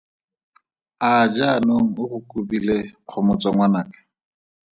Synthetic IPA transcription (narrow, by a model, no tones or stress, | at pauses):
ad͡ʒanoŋ̩ʊχʊkʼubileq͡χʰɔmʊt͡sʼaŋwanaːkɛ̥